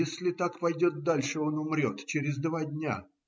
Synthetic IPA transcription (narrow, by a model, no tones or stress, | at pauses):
esʲlʲɪt̪akpɐjdʲo̞t̪̚d̪alʲʂɨo̞nʊmɾʲo̞t̪t͡ɕeɾʲɪzd̪vadʲnʲa̰